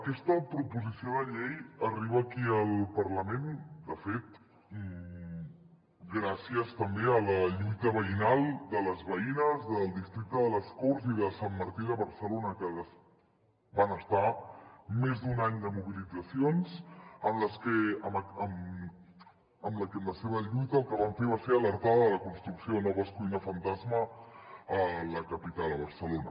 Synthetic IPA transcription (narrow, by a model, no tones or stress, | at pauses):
əkɛst̪əpɾupuzisioðəʎejəriβ̞əːkiəlˠpəɾləmend̪əfet̪ | ɡɾasiəst̪əmbeələʎujt̪əβəinalˠd̪ələzβəinəzðəlˠd̪ist̪ɾik̚t̪əðələskoɾziðəsamːəɾt̪iðəβəɾsəlonəkəðəs | banəst̪a | mezd̪unaɲd̪əmuβ̞ilid͡zəsionzəmləskɛəməm | əmləkəmləseβ̞əʎujt̪əlˠkəβaɱfeβ̞aseələɾt̪aðəðələkunst̪ɾuksioðənɔβəskujnəfənt̪azmə | ələkəpit̪alˠəβ̞əɾsəlonə